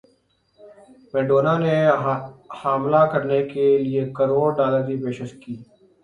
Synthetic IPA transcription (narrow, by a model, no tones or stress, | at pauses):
meːɖoːnaːne | haːmlakəɾnekelɪekəɾoːɽɖaːləɾipeːʃəʃkiː